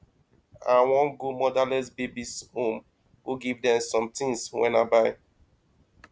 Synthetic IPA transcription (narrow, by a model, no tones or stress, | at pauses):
awɔ̃nɡomɔdalɛsbebishõm | huɡivdɛ̃msɔ̃mtʰĩŋswɛ̰̃nabaɪ